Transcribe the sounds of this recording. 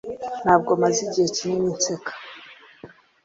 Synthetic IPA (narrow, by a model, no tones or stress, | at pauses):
n̥haːb̚ɡomaziɟiheciɲimit͡sekḁ